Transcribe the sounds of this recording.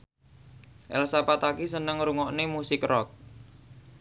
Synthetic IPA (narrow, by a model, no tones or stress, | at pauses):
ʔɛ̰lsapat̪akisənəŋɾuŋɔʔnemusɪkrɔk̚